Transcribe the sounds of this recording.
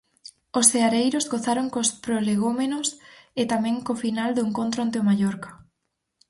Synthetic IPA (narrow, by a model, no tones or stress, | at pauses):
osθeaɾejɾozɣoθaɾoŋkospɾoleɣ̞omenoset̪amɛ̃ŋkofinald̪oeŋkõnt̪ɾoant̪eomaʎoɾkḁ